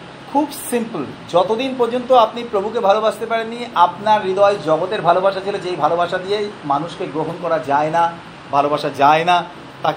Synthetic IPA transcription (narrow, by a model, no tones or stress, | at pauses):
kʰubsimpld͡ʑɔt̪od̪inpoɾd͡ʑont̪oapnipɾobʱukebʱalobaʃt̪epaɾenːiapnaɾːid̪ɔjd͡ʑɔɡot̪eɾbʱalobaʃat͡ɕʰilod͡ʑejbʱalobaʃad̪ijejmanuʃkeɡɾoɦonkɔɾad͡ʑaena | bʱalobaʃad͡ʑaena | t̪ak